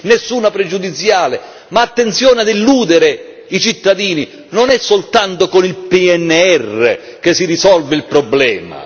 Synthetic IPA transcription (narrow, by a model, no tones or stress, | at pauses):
nesːuːnapɾɛd͡ʒud̪it̪sːjaːlɪ | maːt̪ːent̪sjɔːnɪad̪ilːuːd̪eɾe | it͡ʃit̪ːad̪iːni | nonɛsːolt̪ant̪okonilpiɛnːeɛrːḛkesːiɾisɔlveilpɾɔblɛːma̰